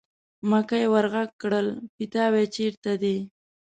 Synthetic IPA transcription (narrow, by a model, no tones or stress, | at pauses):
makajewaɾɣaɡ̚kɽəlpɪt̪ɑwet͡ʃeɾt̪ad̪e